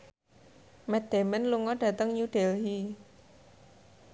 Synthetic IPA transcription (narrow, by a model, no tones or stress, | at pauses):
mɛd̪̥e̤mənluŋɔɖ̥ä̤t̪əŋɲud̥elɦi